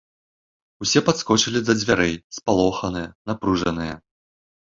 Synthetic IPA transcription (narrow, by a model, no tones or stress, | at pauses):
usʲɛpat̪skɔt͡ʂɨlʲizɐd͡zʲvʲaɾɛjspalˠɔxɐnɨjɐnapɾuʐɐnɨjɐ